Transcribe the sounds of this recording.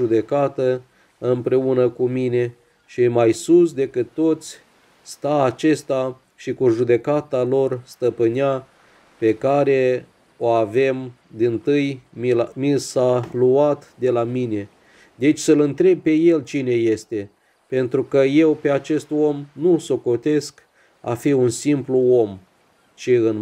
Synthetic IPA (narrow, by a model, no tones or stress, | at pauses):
ud̪e̞kat̪ə | ɨmpɾe̞unəkumine̞ | ʃimajsus̬d̪e̞kɨt̪ːo̞t̪sʲ | st̪aːt͡ʃe̞st̪a | ʃikuʒud̪e̞kat̪alo̞rst̪əpɨnia | pe̞kaɾe̞ | o̞ave̞m | d̪int̪ɨjmisaluat̪d̪e̞lamine̞ | d̪e̞t͡ʃʲsəlɨnt̪ɾe̞b̚pe̞je̞lt͡ʃine̞je̞st̪e̞ | pe̞nt̪ɾukəje̞wpe̞at͡ʃe̞st̪o̞mnuso̞ko̞t̪e̞sk | a̰fiunsimpluo̞m | t͡ʃiɨn